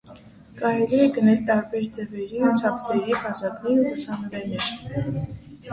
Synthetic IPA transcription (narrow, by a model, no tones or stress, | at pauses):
kɑɾɛliɛɡənɛlt̪ɑɾbɛɾd͡zɛvɛɾiut͡ʃʰɑpʰsɛɾipɑʃɑkninuusʰɑnɔɾɛnɛɾ